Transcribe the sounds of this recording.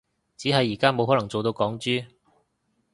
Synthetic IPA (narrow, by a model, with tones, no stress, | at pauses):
t͡siː˨˥ɦɐ˨jːiː˨˩kaː˥mo˨wɦɔː˨˥lŋt͡so˨wt̪o˧wkɔː˨˥ŋt͡ʃyː˥